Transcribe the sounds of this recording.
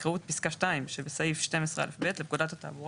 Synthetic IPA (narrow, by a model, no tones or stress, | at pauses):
kaut̚piskaʃtaimʃebesajifʃte̞mesʁea̰lefbet̪lep̚kud̪at̪hat̪a̰buʁa